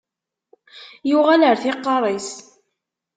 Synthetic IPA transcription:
juʁæləɾθɪqːɑɾˤis

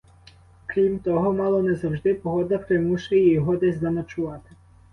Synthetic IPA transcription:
kɾʲimt̪ɔɦɔmɑlˠɔnɛzɐwʒd̪ɪpɔɦɔd̪ɐpɾɪmuʃʊjɛjɔɦɔd̪ɛzʲd̪ɐnɐt͡ʃʊʋɑt̪ɪ̥

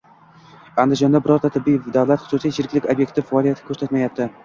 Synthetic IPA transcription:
and̪ɪd͡ʒɒnd̪abɪɾɒɾt̪ʰat̪ʰɪbːijd̪avlat̪χʊsusijt͡ʃʰɪɾɪkʲlɪkʲabjek̚ʲt̪ʰɪfaɒlijat̪ʰɪ̥kʲʰɵɾsat̪majap̚t̪ɪ

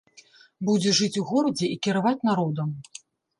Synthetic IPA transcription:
bud͡zʲɛʐɨt͡sʲuɣɔɾɐd͡zʲɛikʲiɾavat͡sʲnaɾɔd̪ɐm

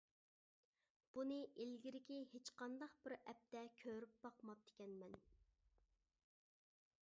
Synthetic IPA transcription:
b̥unɨʔelɡʲiɾɪkʲihet͡ʃqɑnd̪ɑqbɪɾɛp̚t̪ɛkʲʰøɾyp̚b̥ɑqmɑp̚d̪e̥kʲɛnmɛn

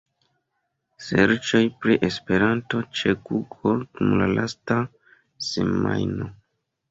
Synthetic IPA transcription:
se̞ɾt͡ʃo̞jpɾiʔe̞spe̞ɾanto̞t͡ʃekuɡoɾkumlalʔasta | se̞̰ma̰jno

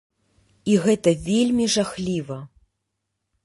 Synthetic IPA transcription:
iɣɛt̪ɐvʲelʲmʲiʐaxlʲivɐ

